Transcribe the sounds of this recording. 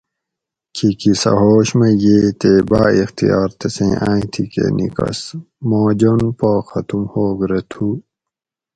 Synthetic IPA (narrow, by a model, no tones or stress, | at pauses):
kʰikisɐ̰ɦoːɕmɐjeːt̪ebaːixt̪ijaːɾt̪esḛ̃ːʔã̰ːĩt̪ʰikḛnikɐ̰s | moːd͡ʑonpoːxɐt̪umhoːɡɾet̪ʰu